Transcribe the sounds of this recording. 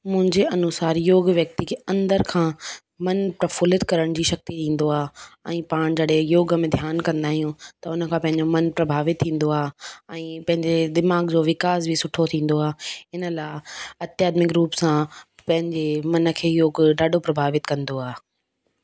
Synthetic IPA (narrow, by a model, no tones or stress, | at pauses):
mʊ̃ɦɪ̃ɲd͡ʑeɐnʊsaːɾjoːɡʋjɐk̚t̪ikʰeɐ̃nd̪əɾkʰãː | mɐnpɾɐfʊːlɪt̪kɐɾəɽ̃d͡ʑiːʃɐk̚t̪iɗĩːn̆d̪oaːɛ̃ːpaːɽ̃d͡ʑɐɽejoːɡəmẽd̪ʱjaːnkɐ̃nd̪aːɦijũt̪ɐʊnə̆kʰãːpɐ̃ɦɪ̃ɲd͡ʑomɐnpɾɐbʱaːʋɪt̪ʰːĩːn̆d̪oaːɦɛ̃ːpɐ̃ɦɪ̃ɲd͡ʑed̪ɪmaːɡd͡ʑoːʋɪkaːzbʱisʊʈʰot̪ʰĩːn̆d̪oaːɦeɪnəlaːɪɐt̪jaːd̪mɪkɾuːpsãpɐ̃ɦɪ̃ɲd͡ʑemɐnə̆kʰeːjoːɡɖaːɖʱopɾɐbʱaːʋɪt̪kɐ̃nd̪oaːɦ